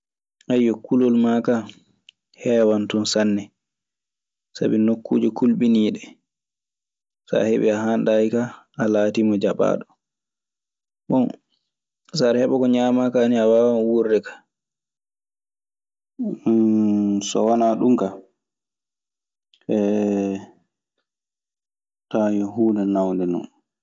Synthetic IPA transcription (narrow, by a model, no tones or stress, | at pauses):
ʔajɔkulolmaka | hɛwantunsanːɛ | sa̰binokːṵːd͡ʒɔkʰulɓiniːɗɛ | sa̰heɓɛ̰aɦanɗajika | alaːtimɔd͡ʒaɓa̰ːɗɔ | ɓɔn | saɾhɛɓɔkɔɲamakaniawaːwawuɾdɛkḁ | sɔ̰wanaɗumka | ʔɛ | tajɔhuːnɛnawndɛnɔ̰n